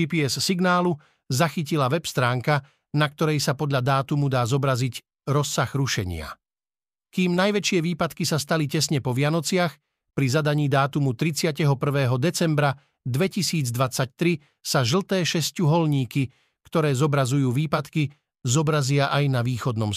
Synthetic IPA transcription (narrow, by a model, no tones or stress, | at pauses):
ipiɛsːiɡnaːlu | zaxicilaʋɛpst̪ɾaːŋka | nak̚t̪ɔɾɛjsapɔd̪ʎad̪aːt̪umud̪aːzɔbɾazic | ɾɔsːaɣɾuʃɛɲɪa̰ | kiːmnajʋɛt͡ʃɪɛʋiːpat̪kisast̪alicɛsɲɛpɔʋɪanɔt͡sɪax | pɾizad̪aɲiːd̪aːt̪umut̪ɾit͡sɪacɛɦɔpr̩ʋɛːɦɔd̪ɛt͡sɛmbɾa | d̪ʋɛcisiːd͡zd̪ʋat͡sac̚t̪ɾi | saʒl̩t̪ɛːʃɛscuɦɔlɲiːki | kt̪ɔɾɛːzɔbɾazujuːʋiːpat̪ki | zɔbɾazɪaʔajnaʋiːxɔd̪nɔm